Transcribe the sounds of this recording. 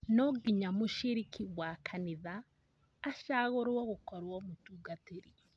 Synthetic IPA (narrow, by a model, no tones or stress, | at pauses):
nɔɡiɲamuʃiɾikʰiɣwakʰaniðaː | ʃaːɣoɾɔɣokɔɾwɔmutuɡateɾi